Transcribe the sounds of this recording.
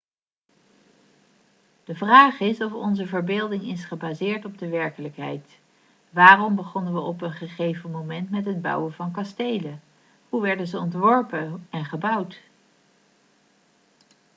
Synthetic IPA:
d̥əvraːχɪsɔfɔ̰nzəvəɹbeːlˠdɪŋɪsχəbaːzɪːɹtɔb̚dəʋɛɹkələkɦɛ̰jt | ʋaːrɔmbəχɔnənʋəʔɔpənχəχejvəmowmɛntmɛtɦəd̚bʌ̰wəvɑnk̬ɑstejlə | huʋɛɹdəzəɔntʋɔɹpəɛnχəbʌwt

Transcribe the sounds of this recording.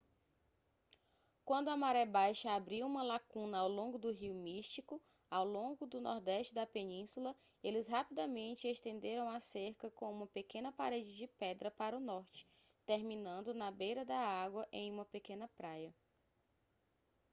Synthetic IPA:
kwɐ̃nd̪ʊɐmaɾɛbajʃɐabɾiwũmɐlakũnɐawlõɡʊd̪ʊɦiwmiʃt͡ʃikʊ | awlõɡʊd̪ʊnɔ̰ɾd̪ɛʃt͡ʃɪd̪ɐpenĩsulɐ | elɪsɦapid̪ɐmẽnt͡ʃɪeʃt̪ẽnd̪eɾɐ̃w̃aseɾkɐkõũmɐpekẽnɐpaɾed͡ʒɪd͡ʒɪpɛd̪ɾɐpaɾɐʊnɔɾt͡ʃɪ̥ | t̪eɾmĩnɐ̃nd̪ʊnɐbejɾɐd̪ɐaɡwɐʔẽj̃ũmɐpekẽnɐpɾajɐ

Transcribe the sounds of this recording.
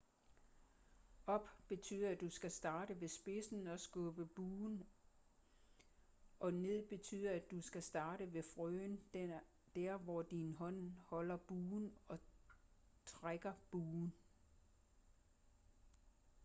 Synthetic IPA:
ɒ̽b̥b̥e̝t͡sʰy̰ːðˠæd̥usɡ̥æsd̥ɑ̈ːɾəʋe̝sb̥e̝sn̩ɒ̽sɡ̥ɔ̽ːb̥əb̥uːn | ʔɒ̽ne̝ð̰ˠb̥e̝t͡sʰyːð̞̰ˠɐæd̥usɡ̥æsd̥ɑ̈ːɾ̥əʋe̝fʁøːn | d̥æɐ̰ʋɒd̥inɦɒ̽n̰hɒ̽l̰ɐb̥uːnɒ̽ | t͡sʰʁaɡ̥ɐb̥uːn

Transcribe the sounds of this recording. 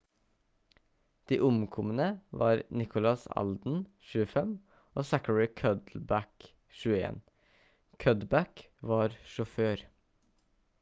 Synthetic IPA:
d̪̥iːʔʊmkʰɔmənəʋɑːɾnɪkʊlɑsɑ̰ld̪n̩ | ʃʉːəfɛm | ʔoːsækəɹɪkʰœd̪l̩bæk | ʃʉːəḛːn | kʰœd̪bæk | ʋɑːɾʃʊføːɾ

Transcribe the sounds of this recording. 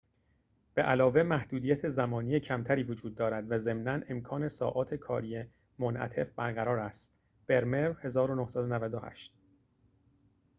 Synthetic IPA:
b̥eʔælɒːve̞mæhd̪uːd̪iːjæt̪ʰe̞zæmɒːnijecʰæmt̪ʰæɾiːvod͡ʒuːd̪̚ːɒːɾæd̪væze̞mnænʔe̞mkʰɒːne̞sɒ̰ːʔɒːt̪ʰe̞kʰɒ̰ːɾije | monʔæ̰t̪ʰe̞̰fbæɾɣæɾɒːɾæst̪ | b̥e̞ɾme̞ɾhe̞zɒːɾonohsæd̪onævæd̪ohæ̰ʃt̪

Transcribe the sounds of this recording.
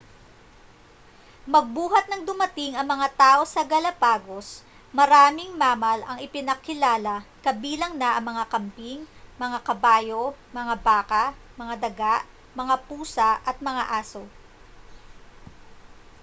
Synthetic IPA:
mɐɡ̚buːɦɐt̪̚nɐŋd̪ʊmɐt̪ɪŋɐŋmɐŋat̪aːʔo̞sɐɡɐlɐpaːɡo̞s | mɐɾaːmɪŋmaːmɐlɐŋɪpɪnɐkɪlaːlɐkɐbiːlɐŋnɐʔɐŋmɐŋakɐmpiŋmɐŋakɐbaːjo̞mɐŋabaːkɐ | mɐŋad̪ɐɡaʔ | mɐŋapuːsɐʔɐt̪̚mɐŋa̰ʔaːso̞

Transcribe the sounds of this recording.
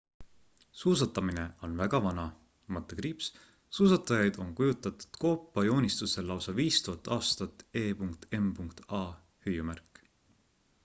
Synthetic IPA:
suːs̬ɑt̪ːˑɑmine̞o̞nvæɡ̥ɑvɑnɑ | mɑt̪ːˑekɾiːps | suːsɑt̪ːˑɑjɑjd̪̥o̞nkujut̪ːˑɑt̪ːˑu̥d̪̥ko̞ːpːˑɑjo̞ːnʲist̪use̞lːɑwsɑviːst̪uɦɑt̪ːˑɑːst̪ɑt̪ːˑe̞ːpuŋkt̪e̞mpuŋkt̪ɑ | hyjumærkːˑ

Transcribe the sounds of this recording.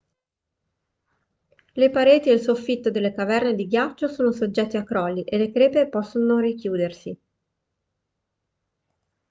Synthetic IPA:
lepaɾeːt̪ieilsofːit̪ːod̪elːekavɛrned̪iɡjat͡ʃːosoːnosod͡ʒːɛt̪ːeakːɾɔːlːiʔelːekɾeːpepɔsːonorikjuːd̪ersi

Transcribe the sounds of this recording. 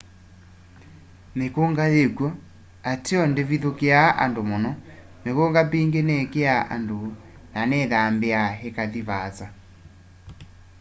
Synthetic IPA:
mekoŋɡaðekwɔ | atiɔndeviðokeaʔa̰ndomɔnɔ | mekoŋɡapiŋɡenɛkeaʔa̰ndo | nanɛðambeaɦekaðiβat͡sa

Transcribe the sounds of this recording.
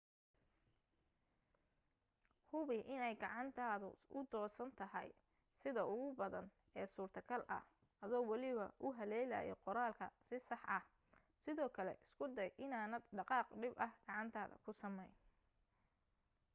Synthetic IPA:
hʊβɪʔɪnɛjɡɑʕɑnt̪ʰaːðʊ̰ʊd̪ɔːsɐnt̪ʰɐɦɐ̰j | sɪðɐʊɣʊbɐðɐn | ɛːsuːrt̪ʰɐkʰɐlʔɐ̰h | ɐðɔːwɑlɪβɐ̰ʔʊɦɐlɛːla̰ːjɛ̰qɔɾaːlkʰɐ̰sɪsɑħʔɐh | sɪðɔːkʰɐlɛ̰ʔɪskʰʊd̪ɐjʔɪnaːnɐd̪ɖɑqɑːqɖɪbɐhɡ̥ɑʕɑnt̪ʰaːðɐ̰kʰʊsɐmɛjn

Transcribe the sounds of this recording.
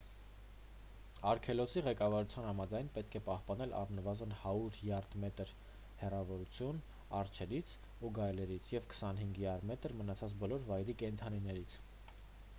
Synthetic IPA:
ɑɾkʰɛlɔsiʁɛkɑvɑɾut͡sʰjɑnhɑmɑd͡zɑjnpɛt̪kʰɛpɑhpɑnɛlʔɑ̰rnəvɑzənhɑɾuɾljɑrd̪mɛt̪əɾ | hɛrɑvɔɾut͡sʰjun | ɑɾt͡ʃʰɛɾit͡sʰ | uɡɑjlɛɾit͡sʰjɛvkʰə̥sɑnɦiŋɡjɑɾmɛt̪əɾmənɑt͡sʰɑt͡sbɔlɔɾvɑjɾikɛnt̪ʰɑninɛɾit͡sʰ

